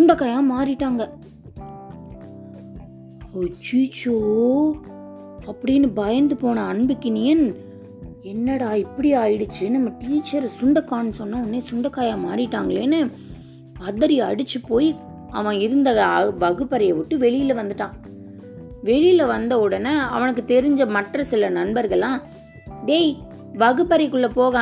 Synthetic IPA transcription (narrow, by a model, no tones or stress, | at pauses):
sʊɳɖɐkːaːjãːmaːɾɪʈːaːŋɡɐ | t͡ʃiːt͡ʃoː | ɐpːɐɽɪjnːɯbɐjɐnd̪ɯpoːɳɐɐɳbɪkːɪnɪjɐn | ɛnːɐɽaːɪpːɐɽiaːjɪɽɯt͡ʃːɯnɐmːɐʈiːt͡ʃːɐɾsʊɳɖɐkːaːnːsɔnːãʊnːeːsʊɳɖɐkːaːjaːmaːɾɪʈːaːŋɡɐɭeːnɯ | pɐðɐɾiɐ̰ɽɯt͡ʃːɯpoːji | ɐʋɐ̃ɪɾɯnd̪ɐʋɐɣɯpːɐɾɐjɐʋɪʈːɯʋɛɭɪjɪlɐʋɐnd̪ɯʈːãː | ʋɛɭɪjɪlɐʋɐnd̪ɐɔɽɐnːɐɐ̰ʋɐnɐk̬ːɯt̪ɛɾɪɲd͡ʒɐmɐʈrɐsɪlɐnɐnbɐɾɣɐɭːãː | ɖeɪ | ʋɐɣɯpːɐɾɛɪkːɯɭːɐpoːɣɐ̃